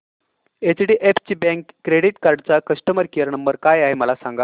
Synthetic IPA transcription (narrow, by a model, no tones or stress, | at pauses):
et͡ɕɽiːʔeft͡ɕibɛ̃ŋkːɾeɽiʈkaɾɖt͡sakəsʈəməɾkijəɾnəmbəɾkajaɦeməlasaŋɡa